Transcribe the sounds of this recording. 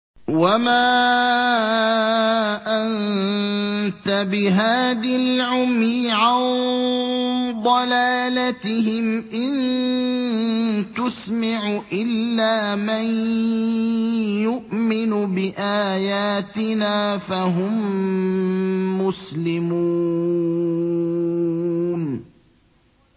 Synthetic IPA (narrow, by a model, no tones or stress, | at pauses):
wamaː | ʔan | t̪abɪɦaːðalʕʊmjɪʕan | d̪ˤɑlaːlat̪ɪhɪmʔɪn | t̪ʊsmaʕʊʔɪlːaːman | jʊʔmɪnʊbɪʔaːjaːt̪ɪnaːfaɦʊm | ʊslɪmuː | n